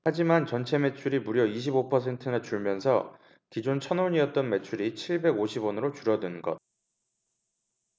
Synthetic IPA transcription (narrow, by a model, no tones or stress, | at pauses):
had͡ʑimant͡ɕʌnt͡ɕʰe̞me̞t͡ɕʰuɾimuɾjʌiɕ̬ʰibopʰʌs̬ʰe̞ntʰɯnat͡ɕuɭmjʌnsʰʌ̰ | kid͡ʑont͡ɕʰʌnoɲiʌt̚t͈ʌnme̞t͡ɕʰuɾit͡ɕʰiɭbe̞ɡoɕʰibʌnɯɾot͡ɕuɾʌnɯnɡʌ̰t̚